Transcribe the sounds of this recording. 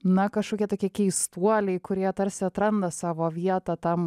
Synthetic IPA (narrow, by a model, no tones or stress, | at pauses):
nɐkɐʃkoːkʲiɛt̪oːkʲiɛkʲɛɪst̪uɔlʲɛɪkʊɾʲiɛt̪ɐɾsʲɪɐt̪ɾɐnd̪ɐsɑːʋoːʋʲiɛt̪ɐt̪ɐm